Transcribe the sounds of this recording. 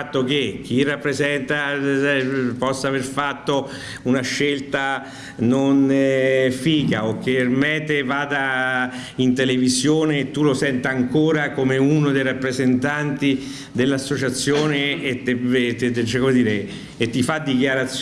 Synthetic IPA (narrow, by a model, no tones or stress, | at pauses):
t̪ːok̟ek̟ːirːapːɾezɛnt̪a | pɔsːaːverfat̪ːo | unaʃːelt̪a | non | fiːkaok̟ːermɛt̪ːevaːd̪a | int̪elevizjoːneːt̪ːulosɛnt̪aaŋkoːɾakomeunod̪ejrapːɾezent̪ant̪i | d̪elːasːot͡ʃat̪sːjoːnet̪eet͡ʃɛkomed̪iːɾeː | t̪ːifad̪ːikjaɾat̪s